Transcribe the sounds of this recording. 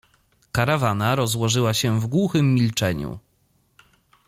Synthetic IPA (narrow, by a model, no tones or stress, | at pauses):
kaɾavanaɾɔzwɔʐɘwaɕɛvɡwuxɘmʲːilt͡ʂɛɲṵ